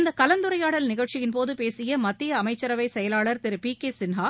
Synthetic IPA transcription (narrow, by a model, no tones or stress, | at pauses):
ɪnd̪ɐkɐlɐnd̪ɯɾɐjaːɽɐlnɪɣɐɭt͡ʃɪjɪnpoːðɯpeːsɪjɐmɐt̪ːɪjɐɐmɐɪt͡ʃːɐɾɐʋɐɪsɛjɐlaːɭɐɾt̪ɪɾɯpikeːsɪnɦaː